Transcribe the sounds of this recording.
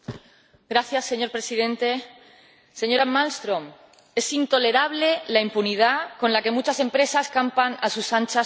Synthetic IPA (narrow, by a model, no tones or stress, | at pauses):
ɡɾaθjasːe̞ɲo̞ɾpɾe̞sið̞ẽ̞nt̪e̞ | se̞ɲo̞ɾamalst̪ɾõm | e̞sint̪o̞le̞ɾaβ̞le̞laimpunið̞ako̞nlake̞mut͡ʃase̞mpɾe̞saskampanasusant͡ʃa